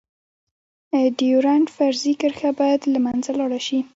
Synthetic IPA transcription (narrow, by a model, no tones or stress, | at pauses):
ɖiuɾaɳʈfaɾzikəɾxabɑjad̪lamanzalɑɽaʃi